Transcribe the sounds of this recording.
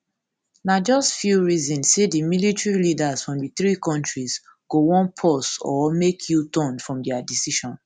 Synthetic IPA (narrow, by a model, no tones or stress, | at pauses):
nad͡ʒɔstfjuɹizɔ̃nssedimilitɹilidazfɹɔ̃mdiθɹikɔ̃ntɹiz | ɡ̥owɔ̃npʰɔsɔ̰mekʰjutɔ̃nfɹɔ̃mdɛadisiʃɔ̃n